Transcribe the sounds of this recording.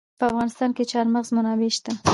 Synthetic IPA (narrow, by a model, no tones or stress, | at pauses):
pəafɣɑnɪst̪ɑnket͡ʃɑɾməɣzmʊnɑweʃt̪a